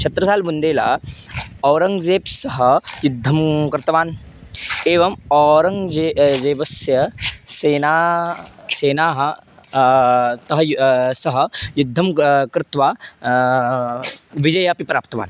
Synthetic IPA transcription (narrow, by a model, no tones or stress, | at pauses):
t͡ʃʰɐt̪ɾɐsaːlbund̪eːla̰ | ɔːɾɐŋɡd͡zeːpsɐɦɐjud̪ʱːɐmkɾɪt̪ɐʋaːn | eːʋɐmɔɾɐŋɡed͡zeːʋɐsjɐseːna | seːnaːɦɐ | t̪ɐɦɐjsɐɦɐjud̪ʱːɐmkɾɪt̪ʋaː | ʋid͡ʒɐjapipɾaːpt̪ɐʋa̰ːn